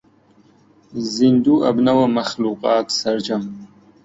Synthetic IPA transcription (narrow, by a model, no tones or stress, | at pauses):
zind̪uʔa̰bnawamaxluːqɑːt̪sɐɾd͡ʒam